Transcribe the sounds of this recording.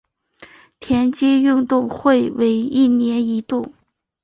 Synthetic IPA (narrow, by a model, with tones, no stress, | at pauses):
t̪ʰjɛ˧˥nt͡ɕi˥y˥˧ŋt̪ʊ˥˧ŋxwe˥˩ɪwe˧˥ɪi˥˩njɛ˧˥ni˧˥t̪u˥˩